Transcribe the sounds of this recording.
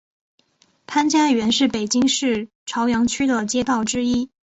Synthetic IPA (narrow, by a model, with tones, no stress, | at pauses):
p̪ʰa˥nt͡ɕja˥˩ɥɛ˧˥nʂɻ̩˥˩pe˨˩ɪt͡ɕi˥ŋʂɻ̩˥˩ | ʈ͡ʂʰɑ˧˥ʊjɑ˧˥ŋt͡ɕʰy˥d̪ə˨t͡ɕjɛ˥t̪ɑ˥˩ʊʈ͡ʂɻ̩˥i˥